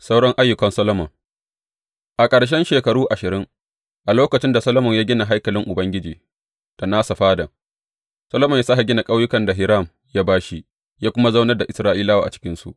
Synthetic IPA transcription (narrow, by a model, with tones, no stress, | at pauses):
sa˦wɽɔ˦ŋʔa˦jːʊ˨kɐ˨nsɐ˦lo˦mɔ̰˨ŋ | ʔa˨kʼɐ˨ɽʃ̬ɛ˦nʃeː˨kɐ˨ɽuː˦ʔa˨ʃɪ˨ɾɪ˦ŋ | ʔa˨loː˦kɐ˨t͡ʃɪ˦nda˨sɐ˦lo˦mɔ˨ɲjaː˦ɡʲɪ˦na˨ɦa˦jkɐ˨lɪ˦ŋʔʊ˨bɐ˦ŋɡʲɪ˦d͡ʒiː˨ | d̥a˨naː˦sa˨ɸaː˦dɐ˨ŋ | sɐ˦lo˦mɔ˨ɲja˦sa˦ɦa˨ɡʲɪ˦na˨kʼa˦wjʊ˦kɐ˨nda˨ɦɪ˦ɾa˦˨m | ja˦baː˦ʃi˦ | jaː˦kʷʊ˦ma˦za˦wnɐ˦rda˨ʔɪ˨sɾaː˦ʔiː˦laː˦waː˨ʔa˨t͡ʃɪ̥˦kʲɪ˦nsṵ˦ʔ